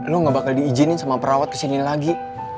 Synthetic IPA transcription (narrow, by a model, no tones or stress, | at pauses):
loŋɡabakaldiːd͡ʒɪnɪnsamapəɾawat̪̚kə̥sinɪnlaɡi